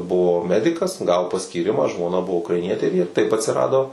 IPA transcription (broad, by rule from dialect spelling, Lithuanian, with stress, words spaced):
ˈbʊʋoː ˈmʲæːdʲɪkɐs ˈɡɑːʋoː pɐsʲkʲiːˈrʲɪmɑː ʒmoːˈnɐ ˈbʊʋoː ʊkrɐɪˈnʲiɛtʲeː ɪr jiɛ tɐɪp ɐtʲsʲɪˈrɑːdoː